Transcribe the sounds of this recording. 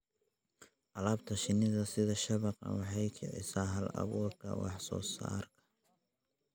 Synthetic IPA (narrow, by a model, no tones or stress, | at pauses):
ʔɑlaːbt̪ʰɐʃɪnɪðɐsɪðɐʃɐβɑqɑ̰wɑħɑjkʰɛʕɪ̰saːɦɐlɑ̰βuːrkʰɐ̰wɑ̰ħsɔ̰ːsa̰ːrkʰɐ̥